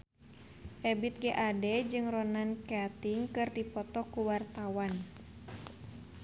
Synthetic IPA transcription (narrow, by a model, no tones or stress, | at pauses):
ʔɛbit̪̚ɡɛʔadɛd͡ʒɨŋrɔnankɛt̪iŋkɨrdipɔt̪ɔkuwart̪awan